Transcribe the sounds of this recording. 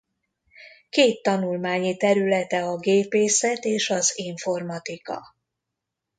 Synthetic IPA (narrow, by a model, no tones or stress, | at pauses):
keːt̪ːɒnulmaːɲit̪ɛɾylɛt̪ɛɒɡeːpeːsɛt̪eːʃɒziɱfo̞rmɒt̪ikɒ̰